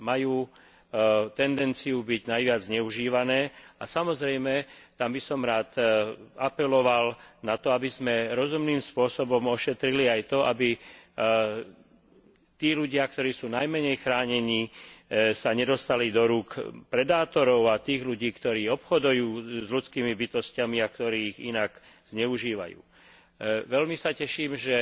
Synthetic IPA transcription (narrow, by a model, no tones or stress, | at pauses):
majuː | t̪ɛnd̪ɛnt͡sijubiɟnajʋɪad͡zzɲɛuʒiːʋanɛːasamɔzɾɛjmɛt̪ambisɔmɾaːt̪apɛlɔʋalnat̪ɔabizmɛɾɔzumniːmspʊɔsɔbɔmɔʃɛt̪ɾiliajt̪ɔʔabi | t̪iːluɟɪak̚t̪ɔɾiːsuːnajmɛɲɛjxɾaːɲɛɲiː | saɲɛd̪ɔst̪alid̪ɔɾuːkpɾɛd̪aːt̪ɔɾɔʊat̪iːɣʎuɟiːkt̪ɔɾiːɔpxɔd̪ujuːzʎut͡skiːmibit̪ɔscamiak̚t̪ɔɾiːiɣḭnak | z̥ɲɛuʒiːʋa̰jṵː | ʋɛlmisacɛʃiːmʒɛ